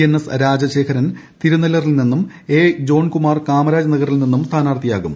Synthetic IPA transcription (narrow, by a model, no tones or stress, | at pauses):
enːesɾaːd͡ʑɐɕe̞ːkʰɐɾɐnt̪iɾunɐlɐrilninːum | e̞ːd͡ʑo̞ːɳkumaːrkaːmɐɾaːd͡ʑɐnɐɣɐrilninːumst̪ʰaːnaːrt̪ʰijaːɣum